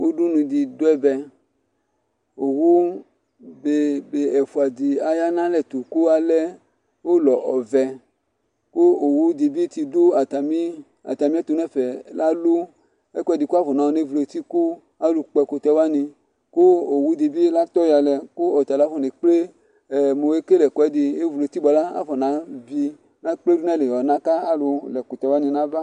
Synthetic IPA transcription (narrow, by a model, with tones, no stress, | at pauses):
wo˦du˦nũ˧di˨do˦ɛ˦bɛ˧ | o˨wu˦ | be˨be˨ɛ˨fu˨a˨di˨a˨ja˦nã˦lɛ˨t̪u˨ko˦a˨lɛ˦ | wo˦lɔ˨ʔɔ˨vɛ˨ | ko˦o˨wu˦di˧bi˦t̪i˧du˦a˨t̪a˨mi˦ | a̰˨t̪a˨mĩ˦ɛ˦t̪o˨˦nɛ˦˨fɛ˨la˦lu˦ | ɛ˦kɛ˨˦di˨ko˦a˦vɔ˨na˨˦ɔ˦ne˦vu˨lo˧t̪i˦ku˦ | a˦lu˧k͡pɛ˧ko˨t̪ɛ˧˦wa˦nĩ˧ | ko˦o˨wu˦d̪i˨bi˦la˦t̪ɔ˦ja˨lɛ˨ko˦ɔ˨t̪a˨la˨˦fɔ˨ne˨k͡ple˦˨ | mo˨e˦ke˦lɛ˨kɛ˨˦di˧e˦vu˨lo˨˧t̪i˦bɔ˨la˦a̰˦fɔ˨nã˨˦vi˧ | nã˦k͡ple˦du˦na˦˨le˨ɔ˨nã˦ka˦a˦lo˧lɛ˨ko˨t̪ɛ˨˦wa˦nĩ˧nã˦va˦